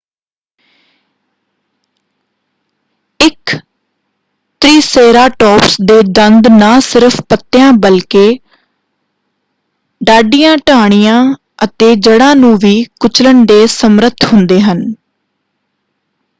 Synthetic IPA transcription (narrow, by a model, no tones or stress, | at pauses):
ɪk | t̪ɾiːseːɾaːʈɔːpsd̪eːd̪ənd̪naːsɪɾəpʰpət̪ːɪjãːbəlkeː | ɖaːɖijãːʈaːɽ̃ijãː | ət̪eːd͡ʒəɽãːnũːʋiːkʊt͡ʃləɳɖeːsəmɾət̪ʰɦʊnd̪eːɦən